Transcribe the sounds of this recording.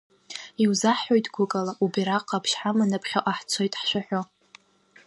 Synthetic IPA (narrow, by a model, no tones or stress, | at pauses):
iwzaħo̞jtʼɡʷʊkʼalaʔubiɾaqʼapʰʃħamanɨpʰχʲaʔaħt͡sʷʰojtʼħʃʷᶣaħᶣʷo